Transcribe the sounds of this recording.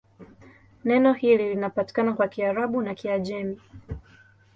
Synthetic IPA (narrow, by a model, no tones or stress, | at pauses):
nɛnɔhililinapati̥kanakwakiaɾaɓunakiaʄɛmi